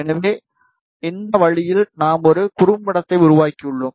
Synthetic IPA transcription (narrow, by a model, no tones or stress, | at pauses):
ɛnɐʋeː | ɪnd̪ɐʋɐɻɪjɪlnaːmɔɾɯkʊrʊmːɪɽɐt̪ːɐɪʊɾʊʋaːkːiʊɭːɯm